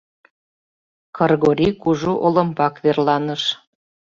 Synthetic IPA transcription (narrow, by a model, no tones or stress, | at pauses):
kɤrɣoɾʲikuʒuʔolə̆mpɑkβerlɑnəʃ